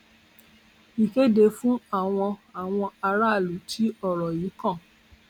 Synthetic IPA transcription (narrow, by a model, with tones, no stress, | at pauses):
i˨ke˦de˧fũ˦a˦˨w̃ɔ̃˧a˨w̃ɔ̃˧a˧ɾa˦˨lu˨˦tʰi˨˦ɔ˦˨ɾɔ˨ji˨˦kɔ̃˦˨